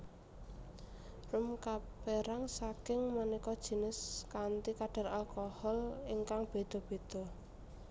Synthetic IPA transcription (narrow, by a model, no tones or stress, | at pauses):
rʊmkapeɾaŋsakɪŋmanikɔd̥ʒ̥i̤nɪskant̪ikaɖ̥a̤ralkɔhɔliŋkaŋb̥e̤d̪̥ɔ̤b̥e̤d̪̥ɔ̤